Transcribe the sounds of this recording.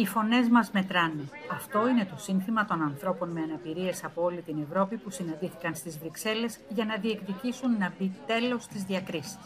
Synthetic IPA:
ifo̞ne̞zmɐzme̞t̪ɾɐneɐft̪o̞ine̞t̪o̞sinθimɐt̪o̞nɐnθɾo̞po̞nme̞ɐnɐpiɾie̞sɐpo̞o̞lit̪ine̞vɾo̞pipusinɐ̃nd̪iθi̥kɐnst̪izvɾikse̞le̞zʝɐnɐðie̞kðicisunːɐbit̪e̞lo̞st̪izðiɐkɾisi̥s

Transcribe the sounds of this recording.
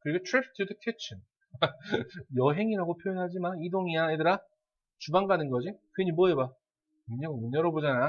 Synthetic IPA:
kɯɾiɡotʰɾip̚ʰtʰːudɯkʰit͡ɕʰin | jʌɦe̞ŋiɾaɡopʰjojonɦad͡ʑimanidoŋiaedɯɾa | t͡ɕubaŋɡanɯnɡʌd͡ʑikeɲimboeba | muɲʌɡomuɲʌɾʌbod͡ʑana

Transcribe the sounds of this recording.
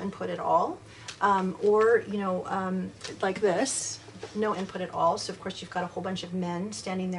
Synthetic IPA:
ɪ̃npʰʊɾɨɾɔlˠ | ʔʌ̃mə˞jɨnoʊʔʌ̃mlaɪk̚ðɪs | noʊɪ̃npʰʊɾɨɾʔɔ̰lˠsoʊʌv̥kʰɔɹsjʉvɡɑɾəhoʊlˠbʌ̃nt͡ʃʌvmɛ̃nstæ̃ndɪ̃ŋðə

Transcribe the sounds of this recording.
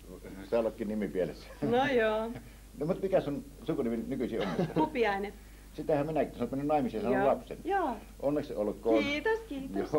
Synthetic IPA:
sɑˑolːɑkːˑiːnnimipielesːænojoː | nmut̪mikæson | sukuniminnykysiːonːekt̪ːɑupiɑine | sit̪æhæmminækisɑnot̪mænːynnɑˑimˑisesɑnːollɑpsḛnjoː | ʔonːeksolkˑoːnːt̪oskiːjo

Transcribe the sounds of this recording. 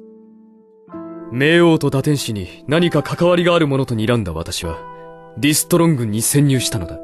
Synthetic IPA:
me̞ːo̞ːt̪o̞d̪at̪ẽ̞ɰ̃ɕiɲ̟inaɲ̟ikakʰakaβaɾʲiɡaːɾɯ̟mo̞no̞t̪o̞ɲ̟iːɾãnd̪a̰βa̰t̪aɕiβa̰ɾʲisɨ̥t̪o̞ɾõ̞ŋɡɯ̟̃ɲ̟ːisẽ̞ɲ̟ːɨːɕi̥t̪anod̪a

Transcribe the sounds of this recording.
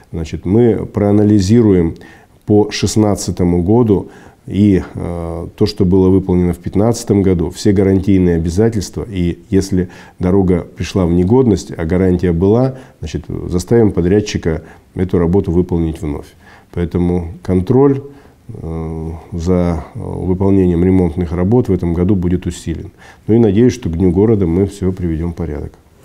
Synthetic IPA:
znat͡ɕɪt̪mɨpɾəɐnəlʲɪzʲiɾʊjɪm | pəʂɨsnat̪sɨt̪əmʊɡo̞d̪ʊi | t̪o̞ʂt̪o̞bɨlˠəvɨpəlˠnʲɪnəfpʲɪt̪nat̪sɨ̥t̪əmɡɐd̪ufsʲe̞ɡəɾɐnʲtʲijnɨjəɐbʲɪzatʲɪlʲst̪vəijesʲlʲɪ | d̪ɐɾo̞ɡəpɾʲɪʂlˠavnʲɪɡo̞d̪nəsʲtʲɐ̰ɡɐɾanʲtʲɪjəbɨlˠaznat͡ɕɪt̪zɐst̪avʲɪmpɐd̪ɾʲæt͡ɕːɪkə | ɛt̪ʊɾɐbo̞t̪ʊvɨpəlˠnʲɪtʲvno̞̰fʲ | pɐɛt̪əmʊkɐnt̪ɾo̞lʲ | zɐvɨpɐlˠnʲenʲɪjəmɾʲɪmo̞nt̪nɨxrɐbo̞t̪vɛt̪əmɡɐd̪ubudʲɪt̪ʊsʲilʲɪ̰noinɐdʲejʊsʲʂt̪o̞ɡd̪ʲnʲuɡo̞ɾəd̪əmɨfsʲɪopɾʲɪvʲɪdʲo̞mfpɐɾʲa̰d̪ə̰k

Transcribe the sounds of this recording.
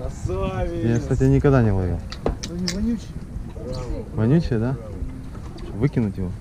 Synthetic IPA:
jakst̪atʲɪnʲɪkɐɡd̪anʲɪvlˠɐɡʲḛ | vɐnʲut͡ɕɪəd̪a | ovɨkʲɪnʊtʲjɪvo

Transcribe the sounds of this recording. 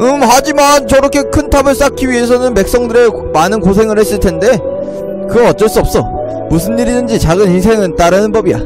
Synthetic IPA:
ɯmhad͡ʑimant͡ɕʌɾʌkʰe̞kʰɯntʰabɯɭs͈akʰiɥiɦe̞s̬ʰʌnɯnpe̞k̚s͈ʌŋdɯɾe̞ | manɯnkos̬ʰe̞ŋɯɭhe̞s͈ɯɭtʰe̞nde̞ | kɯɡʌʌt̚t͡ɕ͈ʌɭs͈uʌp̚s͈ʌ | musʰɯnːiɾidɯnd͡ʑit͡ɕaɡɯnhisʰe̞ŋɯnt͈aɾɯnɯnpʌbija̰

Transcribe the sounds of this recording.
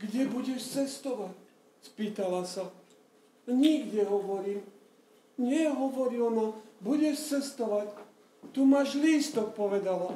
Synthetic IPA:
ɡɟɛbuɟɛʃt͡sɛst̪ɔʋac | spiːt̪alasa | ɲiɡɟɛɦɔʋɔɾiːm | ɲɪɛɦɔʋɔɾilmabuɟɛʃt͡sɛst̪ɔʋac | t̪umaʒliːst̪ɔk̚pɔʋɛd̪ala

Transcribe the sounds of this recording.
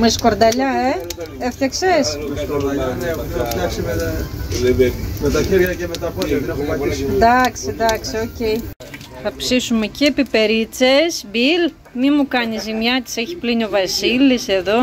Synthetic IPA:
meskoɾd̪ɐʎɐeeft̪çɐksesskoɾɐɐnft̪jɐksime | met̪ɐçiɾʝɐcemet̪ɐfoɾɐt̪inɐpomɐd̪ɐksid̪ɐksioceji | θɐpsisume̞ciepipe̞ɾit͡sesbil | mimukɐnizimjɐt̪i̥seçi̥plinio̞vɐsilise̞ðo̞

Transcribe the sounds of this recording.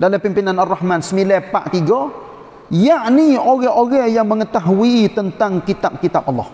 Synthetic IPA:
daləpimpinanarːahmansəmilɛpa̰ʔt̪iɡɔ | jaʔnioɣɛoɣɛjaŋməŋət̪aɦuiːt̪ənt̪aŋkit̪ap̚kit̪ap̚ɑlːɔ̰h

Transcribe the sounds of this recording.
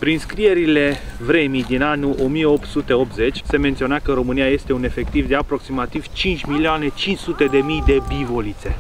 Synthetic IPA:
pɾinskɾije̞ɾile̞vɾe̞mijd̪inanuʔomijeo̞pt̪sut̪e̞o̞p̚t̪ze̞t͡ʃʲse̞me̞nt̪sio̞nakəɾo̞mɨnijaje̞st̪e̞une̞fe̞k̚t̪ivd̪e̞apɾo̞ksimat̪iv̥t͡ʃint͡ʃʲmilioane̞t͡ʃint͡ʃsut̪e̞d̪e̞mijd̪e̞bivo̞lit̪se̞

